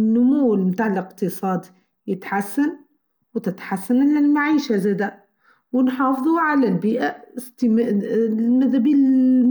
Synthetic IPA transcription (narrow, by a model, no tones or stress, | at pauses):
nːʊmuːlmt̪aːʕɪlɪqt̪ɨsˤɑːd̪ | jɪt̪ħasːan | wɪt̪ɪt̪ħasːanlɪlmaʕiːʃazad̪a | wɪnħɑːfɨðˤuʕalalbiːʔast̪ɪm | mɪðabi